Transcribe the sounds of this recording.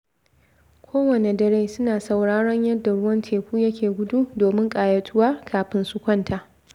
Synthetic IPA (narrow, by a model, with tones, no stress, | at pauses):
kʷʰoː˦wɐ˨ne˨dɐ˨ɾeː˦sʊ˦naː˨sa˨wɽaː˦ɽɔ˦ɲjɐ˦dːa˨ɽʊ˦wɐ˦ntʰeː˨ɸuː˦jɐ˦kʲʰeː˨ɡʷʊ˦du˦doː˨mɪ˦ŋkʼaː˨jɐ˨tʰʊ˦waː˦kʰaː˨ɸɪ˦nsʊ˦kʷɐ˦ntʰa˨ʔ